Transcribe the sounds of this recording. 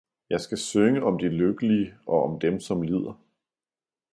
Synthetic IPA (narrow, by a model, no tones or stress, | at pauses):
jɑ̈ɪsɡ̥æsøŋəɒ̽md̥iløɡ̥əliəʔɒ̽ɒmd̥emsɒ̽mlið̞̰ˠɐ